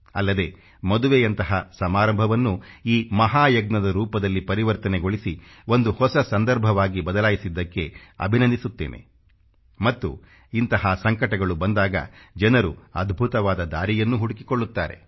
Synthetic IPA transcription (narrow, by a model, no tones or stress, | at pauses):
ɐlːɐd̪e̞ | mɐd̪uʋejɐnt̪ɐɦɐsɐmaːɾɐmbʱɐʋɐnːuiːmɐɦaːjɐɡnɐd̪ɐɾuːpɐd̪ɐlːipɐɾiʋɐɾt̪ɐneɡoɭisi | o̞nd̪uhɔsɐsɐnd̪ɐɾbʱɐʋaːɡibɐd̪ɐlaːjisid̪ːɐkːe̞ɐ̰bʱinɐnd̪isut̪ːeːnʔe̞̰ | mɐt̪ːṵ | int̪ɐɦɐsɐŋkɐʈɐɡɐɭubɐnd̪aːɡɐ̰d͡ʒɐnɐɾṵɐd̪ʱbʱut̪ɐʋaːd̪ɐd̪aːɾijɐnːuɦuɽukikoɭːut̪ːaːɾe̞̰